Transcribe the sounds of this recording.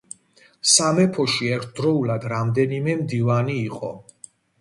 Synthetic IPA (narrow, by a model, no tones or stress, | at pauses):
samɛpʰɔʃiɛɾt̪ʰd̪ɾɔulad̪ɾamd̪ɛnimɛmd̪ivaniːqʼɔ̰